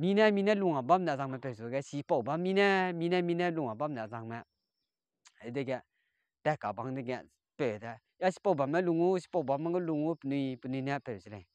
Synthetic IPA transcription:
mi˧˦nɛ˦mi˧nɛ˦lu˧˨ŋa˨ba˦mnɛ˨za˧ŋmɛ˧˨pɛ˨su˨ɡɛ˦˨si˧pɔ˨ba˦mi˦nɛ˦mi˧˦nɛ˦mi˧nɛ˦lu˧ŋa˨ba˦mnɛ˨za˧ŋmɛ˧˨˦ | dɛ˦˨ɡɛ˧˨ | tɛ˦ka˨ba˨ŋdɛ˦˧ɡɛ˧˨ | pɛ˨tɛ˧˨ | ja˦si̥˧pɔ˦˨ba˨mɛ˦lu˧˨ŋu˦s̬i̥˧pɔ˧˨ba˨ma˦ŋɡɔ˦lu˧˨ŋu˦pnu˧pə˨nu˧nɛ˦pɛ˨si˨lɛ˨

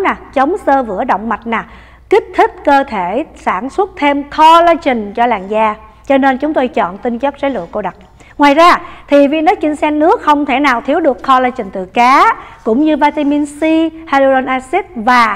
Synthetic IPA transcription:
naː˨˩t͡ɕə˨˦wŋ͡msəː˧vɨ̰˧˩əɗə̰˧˨wŋ͡mma˨˩jt̟̚naː˨˩ | ki˦˥k̚t̪ʰï˦˥k̚kəː˧t̪ʰe˧˩saː˧˩nswə˦˥t̚t̪ʰe˧mkɔ˧laː˧jt͡ɕï˨˩ŋ̟t͡ɕɔ˧laː˨˩ŋzaː˧ | t͡ɕɔ˧ne˧nt͡ɕʊ˨˦ŋ͡mt̪o˧jt͡ɕɔ̰˧˨nt̪ï˧ŋt͡ɕə˦˥k̚zaː˨˦lṵ˧˨ko˧ɗə˨˩t̚ | ŋwaː˨˩jzaː˧t̪ʰi˨˩vḭ˧˨nə˨˦t͡ɕï˧ŋsɛ˧nnɨ˦˥ək̚xə˧wŋ͡mt̪ʰe˧˩naː˨˩wt̪ʰi˨˦əwɗɨ˨˩əkxʰɔ˧laː˧jt͡ɕï˨˩ŋ̟t̪ɨ˨˩kaː˨˦kʊ̰˧˥ŋ͡mɲɨ˧vaː˧t̪i˧mi˧nsi˧ha˧lu˧ɗɔ˧nʔaː˧si˦˥t̚vaː˨˩

